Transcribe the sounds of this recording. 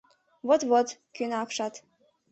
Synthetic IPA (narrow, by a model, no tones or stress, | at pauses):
vot̪βot̪kynɑkʃɑt̪